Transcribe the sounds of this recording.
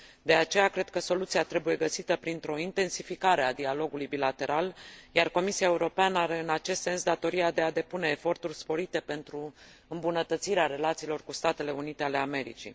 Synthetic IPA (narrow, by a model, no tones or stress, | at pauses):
d̪e̞at͡ʃe̞jakɾe̞d̪̚kəso̞lut̪siat̪ɾe̞buje̞ɡəsit̪əpɾint̪ɾo̞int̪e̞nsifikaɾe̞ad̪ialo̞ɡulujbilat̪e̞ɾʔaljarko̞misiaeuɾo̞peanəaɾe̞ɨnat͡ʃe̞st̪se̞nsd̪at̪o̞ɾiad̪e̞ad̪e̞pune̞ːfo̞rt̪urʲspo̞ɾit̪e̞pe̞nt̪ɾu | ɨmbunət̪ət̪siɾeaɾe̞lat̪siːlo̞rkust̪at̪e̞le̞unit̪e̞ale̞ame̞ɾḭt͡ʃḭ